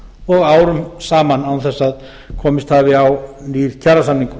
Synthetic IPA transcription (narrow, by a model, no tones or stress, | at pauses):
ɔɣaːwɾʏmsaːmanawθɛsːað | kʰɔːmɪst̪havɪawniːɾcʰaɾasamniŋkʏ